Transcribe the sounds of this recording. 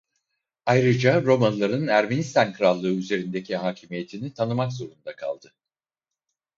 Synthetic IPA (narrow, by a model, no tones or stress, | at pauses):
ajɾɯd͡ʒaɾo̞manlˠaɾɯnæɾme̞nist̪ʰankʰɯɾalˠːɯːyze̞ɾind̪e̞cʰiɦaːcʰimije̞t̪ʰinit̪ʰanɯmakzo̞ɾund̪akʰa̰lˠd̪̥ɯ